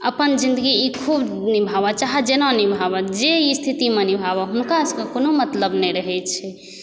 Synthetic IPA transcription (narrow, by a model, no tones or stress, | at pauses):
əpənd͡ʒind̪əɡiikʰubnibʱabat͡ʃaɦɛd͡ʒenãnibʱabad͡ʒeist̪ʰit̪imenibʱaβɔɦunkasəkekonomət̪ləbnɛjɾəɦɛt͡ʃʰɛ